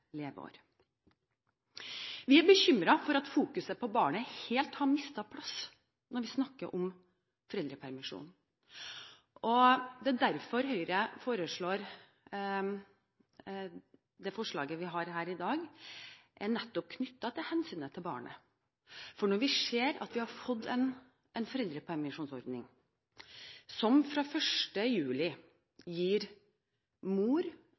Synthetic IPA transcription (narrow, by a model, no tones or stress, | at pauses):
leːʋəo̰ːɾ | ʋɪæɾbəçʏmɾɑfɔɾɑt̪fuːkʉsəpʰɔbɑːɳəheːlt̪hɑɾmɪst̪ɑpʰlɑs | nɔɾʋɪsnɑkːəɾʔɔm | fɔɾɛld̪ɾəpʰæɾmɪʂṵːn | ʔɔd̪ɛd̪æɾfɔɾɦœʏɾəfoːɾəʂɭoːɾ | d̪ɛfɔʂɭɑ̰ːɡəʋɪɦɑɾɦæːɾɪd̪ɑːɡ | ʔɛnɛt̪ːɔp̚kʰnʏt̪ːɑt̪ʰɪlhɛnsyːnət̪ʰɪlbɑ̰ːɳə̰ | fɔɳɔɾʋɪʂeːɾɑ̰t̪ʋɪhɑɾfɔd̪ːɛn | ʔɛnfɔɾɛld̪ɾəpʰɔɛmɪʂuːnsɔ̰ɾd̪nɪ̰ŋ | sɔmfɾɑːfœʂʈəjʉːlɪ | jiːɾ | muːɾ